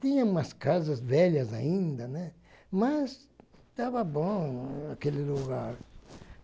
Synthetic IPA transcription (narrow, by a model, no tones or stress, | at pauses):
t̪ĩɲɐ̃ũmɐskazɐzvɛʎɐzaĩnd̪ɐnɛ | mɐs | t̪avɐbõakelɪluɣaɾ